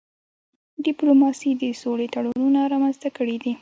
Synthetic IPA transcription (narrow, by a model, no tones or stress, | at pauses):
ɖɪplomɑsid̪əsolet̪aɽununaɾɑmanzt̪akəɽid̪i